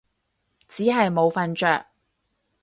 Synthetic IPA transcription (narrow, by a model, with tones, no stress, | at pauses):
t͡siː˨˥ɦɐ˨jmo˨˧wfɐ˧nt͡ʃœː˨k̚